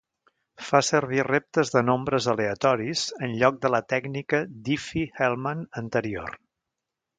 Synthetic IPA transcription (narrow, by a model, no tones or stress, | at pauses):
fasərβ̞irep̚t̪əzðənombɾəzəleət̪ɔɾiz̥ənʎɔk̚d̪ələt̪ɛɡnikəd̪ifihɛlˠmənənt̪əɾio̰r